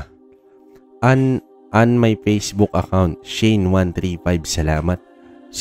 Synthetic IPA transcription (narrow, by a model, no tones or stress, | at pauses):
ʔɐn | ʔɐnmajfejsbʊkɐkawnt̪̚ʃejnwãnt̪ɾifajbsɐlaːmɐt̪̚ | s